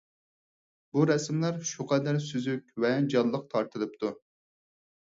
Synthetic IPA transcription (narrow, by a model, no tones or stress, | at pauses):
buɾɛsmlˠæɾʃuqʰɛd̪æɾsyzykʲvɛd͡ʒɑllˠːəq̚t̪ʰɑɾt̪ʰɨlɨp̚t̪ʰu